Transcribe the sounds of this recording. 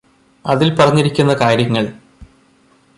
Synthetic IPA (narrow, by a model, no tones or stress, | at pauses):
ɐðilpɐrɐɲːiɾikʲːunːɐkaːɾjɐŋːɐɭ